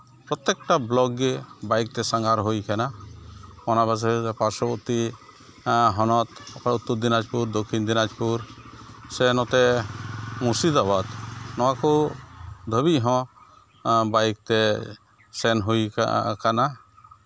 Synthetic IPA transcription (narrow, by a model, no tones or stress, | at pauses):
pɾɔt̪ːɛk̚ʈablɔɡːɛbajk̚t̪ɛsaŋaɾɦojkana | mɔnabas̬ɛpaɾsɔbɔɾt̪i | ɦɔnɔt̪ɔkaut̪ːɔɾd̪inad͡ʒpuɾd̪okʰːind̪inad͡ʒpuɾsɛnɔt̪ɛ | musid̪abad̪nɔwaku | d̪ʱəbiʔɦɔ̃ | bajk̚t̪ɛ | sɛnɦoj̰kana